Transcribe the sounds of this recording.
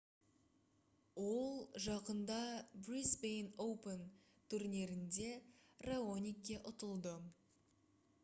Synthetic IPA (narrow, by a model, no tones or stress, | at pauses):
wo̞lˠʒɑqənd̪ɑbrisbejnowpən | t̪ʰuɾne̞ɾɪnd̪e̞raonʲijkʲːe̞ʔʊt̪əlˠd̪ə